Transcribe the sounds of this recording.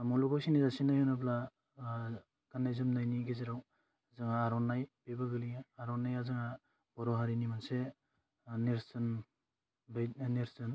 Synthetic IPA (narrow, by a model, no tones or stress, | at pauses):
mɔlubaksinizasinajhunapla | ɡanajzɯmnajniɡeziɾaw | zɯŋaːɾɔnːajbebaɡɯliaɾɔnːajazɯŋa | b̥ɔɾɔɦaɾinimanse | neɾsn | beneɾzɯn